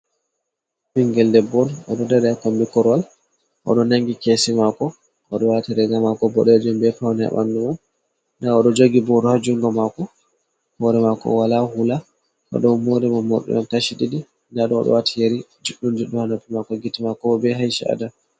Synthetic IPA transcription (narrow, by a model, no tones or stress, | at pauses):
biŋɡɛldɛbːɔnɔ̰ɗɔdɛɾɛakɔmbikɔɾwal | ʔɔ̰ɗɔnaŋɡikesimakɔ | ʔɔɗɔwatiɾɛɡamakɔbɔɗɛd͡ʒɛmbɛfawnɛ̰ɓa̰nduman | ndaɔɗɔd͡ʒoɡibɔdɔhad͡ʒuŋɡɔmakɔ | hɔɾɛmakɔ̰walahula | ʔɔ̰ɗɔwmoɾɛmanːɔ̰ɗɔ̰jɔntaʃiɗiɗi | ndaɗɔːɗɔ̰watijeɾid͡ʒuɗːumd͡ʒuɗuhanapimakɔɡitimakɔɔbɛɦajʃaa̰da